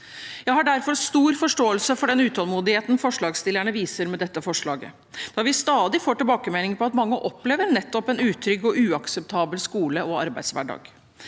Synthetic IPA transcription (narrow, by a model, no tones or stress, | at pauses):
jæɪhɑɖæɾfɔɾst̪uːɾfɔʂʈoːəlsəfɔɖɛnʉːt̪ʰɑlmuːd̪ɪheːt̪n̩fɔʂɭɑːɡst̪ɪlːəɳəʋiːsəɾmɛd̪ɛt̪ːəfɔʂɭɑːɡə̰ | d̪̥ɑːʋɪst̪ɑːd̪ɪfoːʈɪlbɑːkəmɛnɪŋpʰɔɑt̪mɑŋːəʔɔpleːʋəɾnɛt̪ːɔpɛnʉːt̪ʰɾʏɡɔʔʉːɑksɛp̚t̪ʰɑːbəlskuːləʔɔɑɾbæɪd̪sʋæ̰ɖɑ̰ːɡ